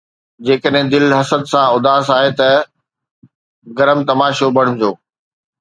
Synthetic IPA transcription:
d͡ʑeːkəɗɦɪ̃d̪ɪlɦɐsəd̪sãʊd̪aːsaːɦet̪ɐ | ɡɐɾəmt̪ɐmaːʃobʱɐɽ̤̃ʊ̃md͡ʑoː

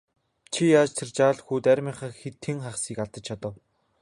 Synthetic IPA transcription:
t͡ɕʰijaːt͡ɕt̪ʰɪ̆rt͡ɕaːɮxuːt̪æɾʲmiːɴχaːxet̪xɘ̆ŋχaχsiːkaɮt̪ə̆t͡ɕt͡ɕʰat̪ə̆w

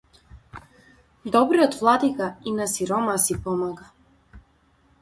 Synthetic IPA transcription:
d̪ɔbɾiɔt̪vlˠad̪ikainasiɾɔmasipɔmaɡa

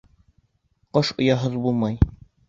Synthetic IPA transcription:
qɤʃŏjɑɦɤðbulˠmɑj

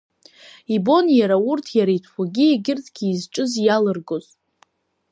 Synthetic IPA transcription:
ibo̞njaɾaurtʰjaɾaitʰχʷaɡʲieɡʲɪrtʰʼɡʲiːzʈ͡ʂʼɨzjalɨrɡoz

